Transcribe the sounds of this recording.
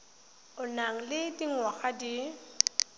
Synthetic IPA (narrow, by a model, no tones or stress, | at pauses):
ʊnaŋ̩lɪtʼiŋwaɣadi